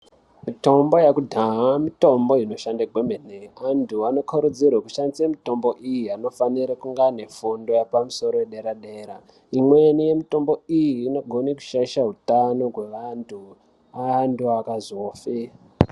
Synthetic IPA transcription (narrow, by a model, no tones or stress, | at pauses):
mito̞mbo̞jakudʱaɦamito̞mbo̞ino̞ʃandaɡʱwemeneantuano̞kʰuɾud͡zirwakuʃanisemito̞mbo̞ʔijiano̞faniɾakuŋɡane̞fundo̞japamuso̞ɾoeɗeɾaɗe̞ːɾa | imwenije̞mito̞mbo̞ijiːno̞ɡʱo̞neku̥ʃaiʃaɦutano̞ɡʱwe̞ʋantʰu | antuakazo̞ːfe